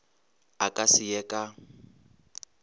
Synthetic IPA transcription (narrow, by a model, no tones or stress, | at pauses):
akʼasijɛkʼa